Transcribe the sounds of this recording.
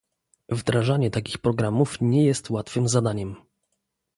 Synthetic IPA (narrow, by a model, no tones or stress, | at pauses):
vd̪ɾaʐaɲɛt̪akʲixpɾɔɡɾamufɲɛjɛst̪wat̪fɘmzad̪aɲɛm